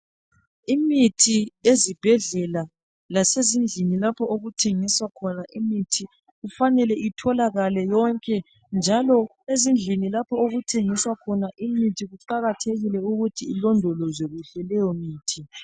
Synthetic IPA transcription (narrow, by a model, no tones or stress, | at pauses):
imitʰiezib̥ʱɛɮɛla | lasezind͡ɮʱinilapʰɔoɣutʰeŋiswakʰɔnaʔimitʰi | ɣufanɛlɛitʰɔlaɣalɛjɔŋkʼɛ | nd͡ʒʱalɔ | ezind͡ɮʱinilapʰɔoɣutʰeŋiswakʰɔnaʔimitʰiɣuǃaɣatʰeɣilɛuɣutʰiːlɔndʱɔlɔzeɣuɬɛlɛjɔmiːtʰi